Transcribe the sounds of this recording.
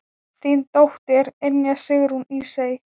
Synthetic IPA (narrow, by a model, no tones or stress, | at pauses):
θint̪owht̪ɛɾenjasɪɣɾunisej